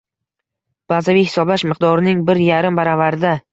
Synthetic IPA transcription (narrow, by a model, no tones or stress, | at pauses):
b̥azavijhɪ̥sɒblaʃmɨqd̪ɒɾɪnɪŋbɪɾjaɾɪmbaɾavaɾɪd̪a